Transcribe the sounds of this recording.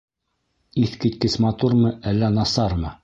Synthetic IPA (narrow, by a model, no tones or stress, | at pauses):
iθkit̪kɘsmɑt̪uɾmɤʔælːænɑsɑɾmɤ